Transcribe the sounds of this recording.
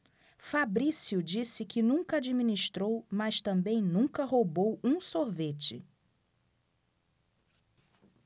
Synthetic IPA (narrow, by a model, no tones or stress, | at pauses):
fabɾisiʊd͡ʒisɪkɪnũŋkɐad͡ʒimĩniʃt̪ɾowmɐʃt̪ɐ̃mbẽj̃nũŋkɐɦobowũsoɾvet͡ʃɪ̰